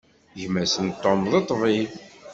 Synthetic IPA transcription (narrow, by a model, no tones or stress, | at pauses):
ʝmæsənt̪ːomðˤit̪ˤːvi